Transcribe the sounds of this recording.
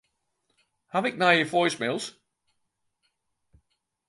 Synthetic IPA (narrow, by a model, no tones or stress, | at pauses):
havɪk̚naɪjəfɔɪsmɪlˠz̥